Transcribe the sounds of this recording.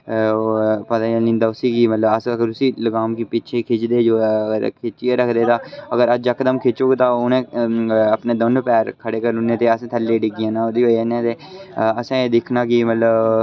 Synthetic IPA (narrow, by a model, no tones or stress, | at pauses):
pət̪ãnɪ̃ːnd̪aːʊsiːkimət̪ləbəsɡəɾʊsiːləɡaːmkipɪt͡ʃʰeːkʰɪt͡ʃd̪eːd͡ʒoːəɾkʰet͡ʃieːɾəkʰd̪eːt̪ãːəɡəɾəd͡ʒəkəd̪əmkʰeːt͡ʃoːɡt̪ãːʊnẽːəpneːd̪ənpɛːɾkʰəɽeːkəɾʊnːẽːt̪eːəsẽːt̪ʰəlːeːɖɪɡɪãːnãːod̪iːoenẽːt̪eːəsẽːd̪ɪkʰnaːkimət̪ləb